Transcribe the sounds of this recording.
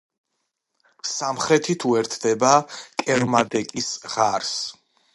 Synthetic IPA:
samχɾɛt̪ʰit̪ʰuɛɾt̪ʰd̪ɛbakʼɛɾmad̪ɛkʼisʁaɾs

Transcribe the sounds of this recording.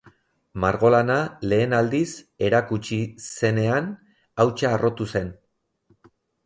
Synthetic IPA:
maɾɣo̞lanale̞ːnald̪is | e̞ɾakut͡ʃise̞ne̞an | awt͡ʃaːrʔo̞t̪use̞n

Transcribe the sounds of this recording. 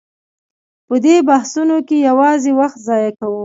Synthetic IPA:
pəd̪ebahsunokejawɑzewaxt̪zɑjakawə

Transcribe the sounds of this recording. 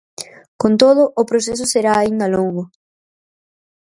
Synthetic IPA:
kont̪oðʊʔːpɾoses̬ʊseɾaːind̪ɐloŋɡʊ

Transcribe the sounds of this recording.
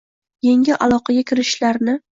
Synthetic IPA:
jeŋʲɪʔalˠɒqʰɑɡʲakʲɪɾɪʃlaɾnɪ

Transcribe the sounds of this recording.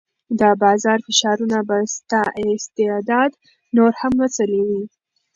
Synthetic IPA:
d̪əbɑzɑɾfɪʃɑɾunabast̪ɑʔɪst̪ɪd̪ɑd̪ | noɾhamwət͡saliwi

